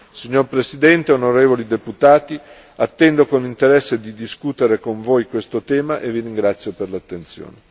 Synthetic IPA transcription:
siɲːorpɾesid̪ɛnt̪eonoɾeːvolid̪eput̪aːt̪i | at̪ːɛnd̪okonint̪eɾɛsːed̪id̪iskut̪eɾekoɱvojkwest̪ot̪ɛːmaʔeviɾiŋɡɾat̪sːjoperlat̪ːent̪sjo̰ːne

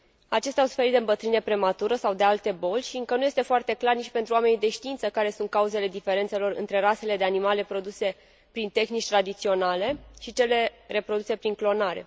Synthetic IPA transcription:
at͡ʃe̞st̪ɛawsu̥fe̞ɾit̪d̪eɨmbət̪ɾɨne̞pɾe̞mat̪uɾəsawd̪e̞alt̪e̞bo̞lʲʃiɨŋkənuje̞st̪e̞foart̪e̞klarnit͡ʃʲpe̞nt̪ɾuwame̞nid̪e̞ʃt̪iint̪səkaɾe̞sunt̪̚kauze̞le̞d̪ife̞ɾe̞nt̪se̞lo̞ɾɨ̰nt̪ɾe̞ɾase̞le̞d̪e̞animale̞pɾo̞d̪use̞ | pɾint̪e̞xnit͡ʃʲt̪ɾad̪it̪sio̞nale̞ʃit͡ʃe̞le̞re̞pɾo̞d̪use̞pɾiŋklo̞naɾe̞̰

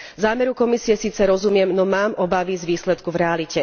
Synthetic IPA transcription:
zaːmɛɾukɔmisiɛsiːt͡sɛɾɔzumɪɛmnɔmaːmɔbaʋizʋiːslɛt̪kuvɾɛalicɛ

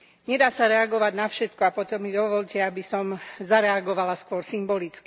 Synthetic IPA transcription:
ɲɛd̪aːsaɾɛaɡɔʋaɟnafʃɛt̪kɔapɔt̪ɔmːid̪ɔʋɔʎcɛabisɔmzaɾɛaɡɔʋalaskʋʊɔɾsimbɔlit͡ski

